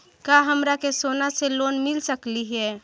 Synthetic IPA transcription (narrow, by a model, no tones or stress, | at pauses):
kaɦəmɾakesonaseloːnmɪlsəkliɦɛː